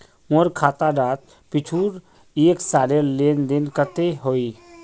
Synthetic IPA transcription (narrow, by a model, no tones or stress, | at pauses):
moɾkʰaːt̪aɖaːt̪̚ | pɪt͡ʃʰuːɾ | eːksaːleleːnd̪ɪnkət̪eɦoːi